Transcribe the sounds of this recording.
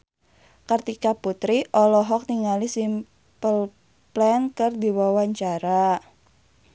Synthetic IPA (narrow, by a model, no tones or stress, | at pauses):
kərt̪ikaput̪ɾiʔɔlɔɦɔk̚niŋalisim | pəl | plɛnkərd̪iwawaɲt͡ʃaɾa